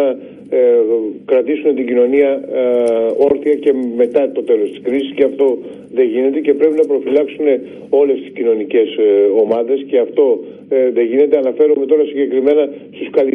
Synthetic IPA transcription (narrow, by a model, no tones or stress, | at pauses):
ɐ | kɾɐt̪isune̞t̪iɟino̞niɐ | o̞ɾθiɐce̞me̞t̪ɐt̪o̞t̪e̞lo̞st̪i̥skɾisisceɐft̪o̞ | ðe̞ʝine̞t̪e̞ce̞pɾe̞pinɐpɾo̞filɐksune̞ | o̞le̞st̪i̥scino̞nice̞so̞mɐðe̞sce̞ɐft̪o̞ | ðe̞ʝine̞t̪e̞ɐnɐfe̞ɾume̞t̪o̞ɾɐsiɲɟe̞kɾime̞nɐst̪uskɐli